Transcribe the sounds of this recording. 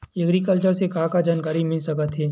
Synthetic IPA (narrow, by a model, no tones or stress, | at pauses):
jɐɡɾikəlt͡ʃəɾsekaːkad͡ʒaːnkaːɾimɪlsɐkət̪ɦeː